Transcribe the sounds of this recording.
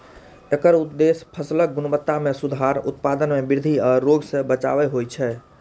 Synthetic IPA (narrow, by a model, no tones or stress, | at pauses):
ekəɾut̪̚d̪espʰəslək̚ɡunəbət̪ːamesud̪ʱaɾṵt̪̚pad̪ənmebiɾd̪ʱiaɾːoɡsə̃bət͡ʃa̰bɛɦojt͡ʃʰɛ